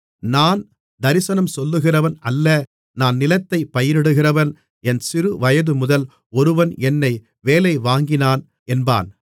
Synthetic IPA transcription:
naːn | d̪ɐɾɪsɐnɐmsɔlːɯɣɪrɐʋɐnɐlːɐ | naːnnɪlɐt̪ːɐɪpːɐjɪɾɪɽɯɣɪrɐʋɐn | ɛnsɪɾɯʋɐjɐðɯmʊðɐl | ɔɾɯʋɐnɛnːɐɪ | ʋeːlɐɪʋaːŋɡɪnaːn | ɛnba̰ːn

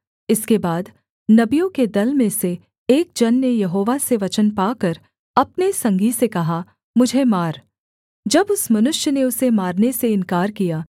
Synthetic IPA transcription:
ɪskebaːd̪ | nɐbijõked̪ɐlmẽseː | k̚d͡ʒɐnːejɐɦoːʋaseʋɐt͡ʃənpaːkɐɾ | ɐpnesɐ̃ŋɡisekɐɦa | mʊd͡ʒʱemaːɾ | d͡ʒɐbʊsmɐnʊʃjəneʊsemaːɾneseɪ̃nkaːɾkijaː

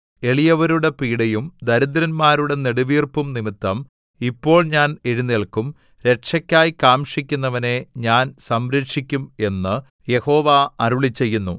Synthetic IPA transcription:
e̞ɭijɐʋɐɾuɽe̞piːɽejumd̪ɐɾud̪ɾɐnmaːɾuɽe̞niɽuʋiːrpumnimit̪ːɐm | ipːo̞ːɭɲaːne̞ɻunːeɭkːum | ɾe̞ʈʂɐkʲːaːjikaːmʂikʲːunːɐʋɐne̞ɲaːnsɐmɾeʂikʲːume̞nːɨ | je̞ho̞ːʋaɐɾuɭit͡ɕːe̞jːunːu

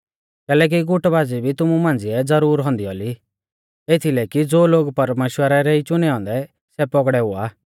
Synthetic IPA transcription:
kɛːlɛːk̬iɡʊʈbaːd͡zibʱit̪ʊmumãːnd͡ziɛd͡zɐɾuːɾɦɔ̃nd̪iɔːli | et̪ʰilɛkid͡zoːloːɡpɐɾmeːʃwəɾɛɾɛit͡ʃʊnɛɔ̃ːnd̪ɛ | sɛpɔɡɽɛɦʊa̰ː

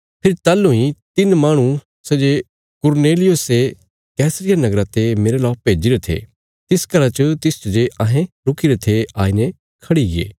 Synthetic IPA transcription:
pʰɪɾt̪aːlːuĩt̪ɪnmaːɽ̃ũ | sɐd͡ʒe | kʊɾneːlɪjʊse | kɛːsɾɪjanɐɡɾat̪emeːɾelaːpeːd͡ʒiɾet̪ʰḛː | t̪ɪskɐɾat͡ʃət̪ɪst͡ʃd͡ʒeʔɐɦẽɾʊkiɾet̪ʰeaːinẽ | kʰɐɽiɡḛː

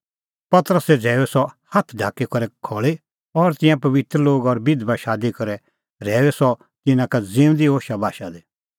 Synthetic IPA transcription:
pɐt̪ɾəsɛd͡zʱɛːɛsɔhɐt̪ʰɖʱaːkːikɐɾɛkʰɔːɭi | ɔɾt̪ɪ̃jãpɐʋɪt̪ɾəloːɡɔɾbɪd̪baʃaːd̪ikɐɾɛ | ɾɛːɛsɔ | t̪ɪnãkad͡zɪ̃ːʊ̃d̪ioːʃabʱaːʃad̪e

